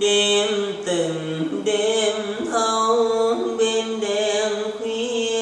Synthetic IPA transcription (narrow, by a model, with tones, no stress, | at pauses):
ɗe˧nt̪ɨ˨˩ŋ | ɗe˧n | t̪ʰə˧wɓe˧nɗɛ˧˩nkwi˧˩